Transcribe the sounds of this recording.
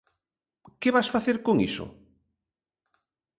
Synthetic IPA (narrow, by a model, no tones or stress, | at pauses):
keβasfaθeɾkoŋḭso̰